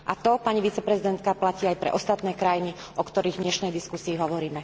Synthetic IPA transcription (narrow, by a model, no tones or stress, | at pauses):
ʔat̪ɔpaɲiʋit͡sɛpɾɛzid̪ɛnt̪kaplaciːajpɾɛ̰ʔɔst̪at̪nɛːkɾajini | ɔkt̪ɔɾiːɣɲɛʃnɛjd̪iskusiːɦɔʋɔɾiːmɛ